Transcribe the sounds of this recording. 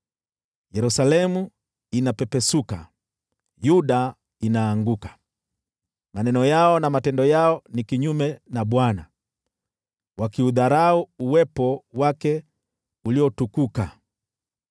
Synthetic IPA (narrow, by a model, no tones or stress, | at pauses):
jɛɾusalɛmu | inapɛpɛsuka | juɗa | inaːŋɡukḁ | manɛnɔjaɔnamatɛndɔjaɔnikiɲumɛnaɓwana | wakiuðaɾauuwɛpɔwakɛ | uliɔtukuka